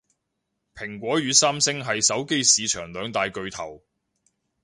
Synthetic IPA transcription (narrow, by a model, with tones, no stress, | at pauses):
pʰɪ˨˩ŋkʷɔː˨˥jyː˨˧saː˥msɪ˥ŋɦɐ˨jsɐ˨˥wke˥jsiː˨˧t͡ʃʰœː˨˩ŋlœː˨˧ŋt̪aː˨jkɵ˨ɥt̪ʰɐ˨˩w